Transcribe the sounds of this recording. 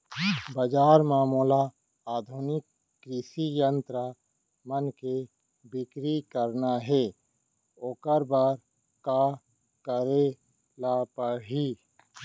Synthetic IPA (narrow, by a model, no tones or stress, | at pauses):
bəd͡ʒaːɾmaːmula | aːd̪ʱʊnɪkː | ɾɪʃijənt̪ɾə | mənke | bɪkɾikəɾnaɦɛː | oːkəɾbaɾ | ka | kəɾe | lapəɦiː